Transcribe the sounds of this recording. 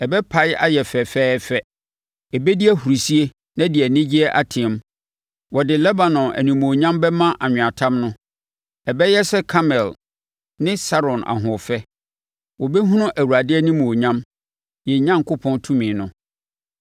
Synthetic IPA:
ɛ˨bɛ˦pʰa˦ja̰˦jɛ˨fɛ˨fɛː˦fɛ˦ | ɛ˨bɛ˦di˦æ˦hu˨ɾi˨si˦e˦ | nã˦dɪ˨ɛ˨nɪ̃˦d͡ʑi˦ɛ˦ʔa˨tʰɪ̃˨˦m | wɔ˨dɪ˨lɛ˦ba˨nɔ̃˨nʔæ̰˨nĩ˨mõ˨ɲã˦mbɛ˦mã˦ʔa˨ɲᶣʊ̃˨a˨tʰã˦mnʊ̃˦ | ɛ˨bɛ˦jɛ˦sɛ˦kʰa˦mɛ˨l | nɪ̃˦sa˦ɾɔ̃˨nʔa̰˨ɦʊ̃˨fɛ˦ | wɔ˨bɛ˦ɦʊ̃˦nʊ̃˦ʔæ˨wu˨ɾa˨dɪ˦ɛ˦nɪ̃˦mõ˨ɲã˦m | jɛ˨˦ɲã˦ŋ˨kʊ˦pʰɔ̃˦ntʰũ˦mĩ˨nʊ̃˦

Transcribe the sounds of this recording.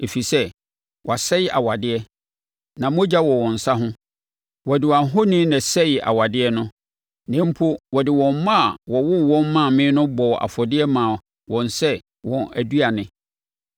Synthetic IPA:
e˨fi˨sɛ˦ | wʔɔ˨a˨sɛ˦jɪ˦ʔa˨wa˨dɪ˦ɛ˦ | nã˨mʊ̃˦d͡ʑa˦wɔ˨wɔ̃˨n̩˨sa˦ɦʊ̃˦ | wɔ˨dɪ˨wa˨ɦo˦nĩ˦nɛ̃˨sɛ˦jɪ˨ʔa̰˨wa˨dɪ˦ɛ˦nʊ̃˦ | nɪ̃˦m̩˦pʰo˦wɔ˨dɪ˨wɔ̃˨m˦mã˦˨wɔ˨wʊ˦wɔ̃˦m˦mã˦˨mɪ̃ː˦nʊ̃˦bɔ˨ʔa̰˨fɔ˨dɪ˦ɛ˦mãː˨ | wɔ̃˨nsɛ˦ | wɔ̃˨næ˨du˦a˨nɪ̃˨

